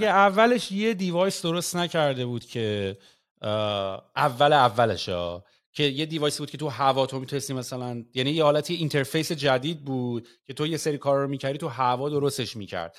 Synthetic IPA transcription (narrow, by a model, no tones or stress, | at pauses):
ɡeævːæle̞ʃje̞d̪ivɒjsd̪o̞ɾo̞st̪næcʰæɾd̪e̞buːd̪̥cʰe̞ | ʔævːæleævːælḛʃɒ̰ː | cʰe̞jed̪ivɒːjsibud̪̥̚cʰe̞t̪ʰuɦævɒːt̪ʰomit̪ʰunest̪imæsælænjænijehɒːlæt̪ʰijeint̪ʰe̞ɾfe̞jse̞d͡ʒæd̪iːd̪̚buːd̪̥̚ | cʰe̞t̪ʰo̞je̞seɾiːkʰɒːɾɾomiːcʰæɾd̪it̪ʰuɦævɒːd̪o̞ɾo̞st̪e̞ʃmiːcʰæ̰ɾd̪̥̚